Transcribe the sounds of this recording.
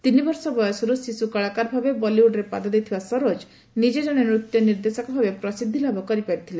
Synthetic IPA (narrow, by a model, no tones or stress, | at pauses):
t̪inibɔɾsɔbɔjɔsɔɾusisukɔɭakaɾbʱabebɔliuɖɾepa̰d̪ɔd̪ejt̪ʰibasɔɾod͡ʒ | nid͡ʒed͡ʒɔɽ̃enɾut̪jɔniɾd̪esɔkɔbʱabepɾɔsid̪ʱːilabʱɔkɔɾipaɽit̪ʰile